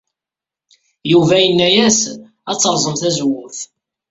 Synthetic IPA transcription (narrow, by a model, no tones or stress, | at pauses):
juvæjənːæjæs | æt͡sːəɾˤzˤəmθæzwːʊθ